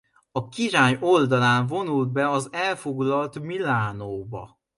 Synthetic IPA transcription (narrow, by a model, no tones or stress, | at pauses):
ɒkiɾaːɲo̞ld̪ɒlaːɱvo̞nuld̪̚bɛɒzɛlfo̞ɡlɒlt̪milaːnoːbɒ̰